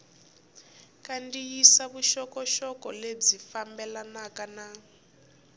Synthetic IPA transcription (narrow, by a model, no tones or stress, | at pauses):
kandijisaβuʃɔkɔʃɔkɔled͡zifambɛlanakana